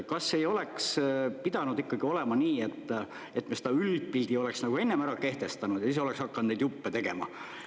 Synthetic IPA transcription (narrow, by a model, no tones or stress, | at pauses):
kɑsːe̞jo̞le̞kspid̪̥ɑnud̪ikːɑɡ̥io̞lɛmɑniːet̪ː | e̞t̪ːˑmese̥d̪ɑyld̪̥̚pild̪̥io̞le̞ksnɑɡ̥ue̞nːemæɾɑke̞ht̪e̞st̪ɑnud̪̥jɑiseoleksɑkːɑnd̪ne̞jd̪jupːet̪e̞ɡ̥e̞̰mɑ̰